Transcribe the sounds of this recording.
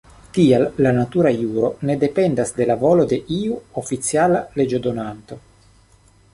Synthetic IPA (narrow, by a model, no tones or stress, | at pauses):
tialːanat̪uɾajuɾone̞de̞pe̞ndasde̞lavo̞lo̞de̞ʔiuofit͡sialale̞d͡ʒo̞d̪o̞nant̪o̞